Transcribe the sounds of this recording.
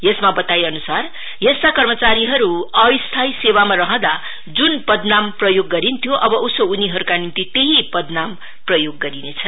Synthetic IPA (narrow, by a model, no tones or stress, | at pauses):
jesmabʌt̪ajʌnusar | jest̪akʌrmʌt͡saɾiɦʌɾuʌjst̪ʰajsewamarʌɦʌ̃d̪a | d͡zunpʌd̪namprʌjoɡːʌɾint̪ʰjoʔʌbʌʔusouniɦʌɾukanint̪it̪eɦipʌd̪nam | prʌjoɡːʌɾinet͡sʰʌn